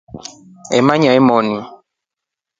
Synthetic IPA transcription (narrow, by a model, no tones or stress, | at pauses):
ɛmaɲaimɔni